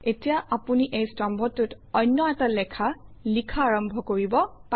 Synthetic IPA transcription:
etijaʔapuniʔejstɔmbʱɔtːʊt | ɔnːɔɛtalɛkʰalikʰaːɹɔmbʱɔkoɹibɔpa

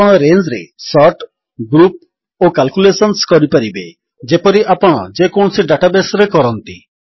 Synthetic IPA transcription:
ɔɽ̃ɔɾend͡ʒɾḛsɔʈ | ɡɾup̚ | okalkulesɔnskɔɾipaɾibe | d͡ʒepɔɾiʔapɔɽ̃ɔ̰d͡ʒekoɳ̃siɖaʈabesɔɾekɔɾɔnt̪i

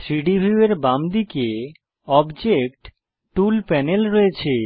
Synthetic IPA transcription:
tɾiɖibʱiueɾbamd̪ike | ɔbd͡ʑek̚ʈ | ʈulpɛnelɾoet͡ɕʰe

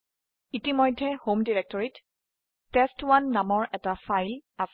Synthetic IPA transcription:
itimɔjdʱːɛhomdiɹɛk̚tɔɹitː | ɛstwanːamɔɹʔɛtafajla

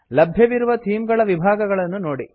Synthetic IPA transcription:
lɐbʱjɐʋiɾuʋɐt̪ʰiːmɡɐɭɐʋibʱaːɡɐɡɐɭɐnːunoːɽi

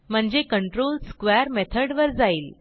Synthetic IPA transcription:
m̤əɳd͡zekəɳʈɾolskʋeɾmet̪ʰəɽʋəɾd͡zaiːl

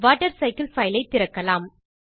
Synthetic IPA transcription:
ʋaːʈːɐɾsɐɪkɪlfɐɪlɐɪt̪ːɪɾɐkːɐlaːm

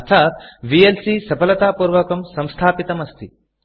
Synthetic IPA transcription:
ɐt̪ʰaːt̪̚ʋielsisɐpʰɐlɐt̪aːpuːɾʋɐkɐmsɐ̃mst̪ʰaːpit̪ɐmɐst̪ʰi

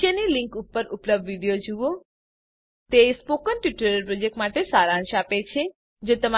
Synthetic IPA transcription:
jənilĩŋkupːəɾupləb̚d̪ʋiɖijod͡ʒuo | t̪espokənʈjiʈəɾəɾpɾod͡ʒek̚ʈmaʈesaɾãʃapet͡ʃʰe | d͡ʒot̪əma

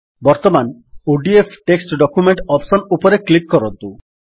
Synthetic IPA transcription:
bɔɾt̪ɔmanuɖiepʰʈeksʈɖɔkumeɳʈɔpsɔnupɔɾeklikːɔɾɔnt̪u

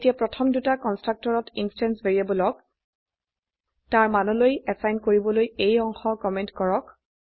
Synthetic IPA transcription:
tijapɹɔtʰɔmdutakɔnstɹak̚tɔɹɔtinstɛnsbeɹiabɔlɔk | taɹmanɔlojɛsajnkoɹibɔlojejɔŋxɔkɔmɛntkɔɹɔk

